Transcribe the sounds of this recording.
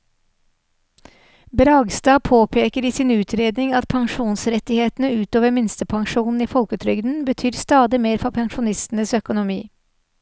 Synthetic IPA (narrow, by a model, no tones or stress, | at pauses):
bɾɑːɡst̪ɑːpʰoːpʰeːkəɾiːsiːnʉːt̪ʰɾeːd̪nɪŋɑt̪̚pʰɑŋʃuːnsɾɛt̪ɪheːt̪n̩əʉːt̪oːʋəɾmɪnst̪əpʰɑŋʃuːnn̩iːfɔlkət̪ʰɾʏɡd̪n̩bət̪ʰyːɾst̪ɑːd̪ɪmeːɾfɔpʰɑŋʃʊnɪst̪n̩əsœkʊnʊmiː